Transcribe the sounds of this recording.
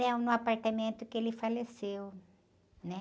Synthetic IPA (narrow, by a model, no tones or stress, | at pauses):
ɐ̃w̃nʊ̃apaɾt̪amẽnt̪ʊkɪelɪfalesew | nɛ